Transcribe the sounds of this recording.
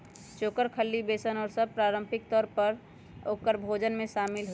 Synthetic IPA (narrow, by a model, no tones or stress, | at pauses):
t͡ʃoːkəɾkʰəlːibeːsənɔːɾsəb̚pɾaːɾə̃mpʰɪk̚t̪ɔːɾpəɾ | oːkəɾbʱod͡ʒənmẽʃaːmɪlɦo